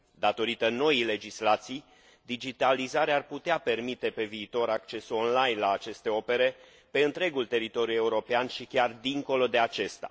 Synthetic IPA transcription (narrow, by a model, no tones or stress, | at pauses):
d̪at̪o̞ɾit̪əno̞ile̞d͡ʒislat̪sij | d̪id͡ʒit̪alizaɾearput̪eape̞rmit̪e̞pe̞viːt̪o̞ɾakt͡ʃe̞so̞nlajnlaːt͡ʃe̞st̪e̞o̞pe̞ɾe̞ | pe̞ɨnt̪ɾe̞ɡult̪e̞ɾit̪o̞ɾjue̞uɾo̞peanʃikʲard̪iŋko̞lod̪e̞at͡ʃe̞st̪a̰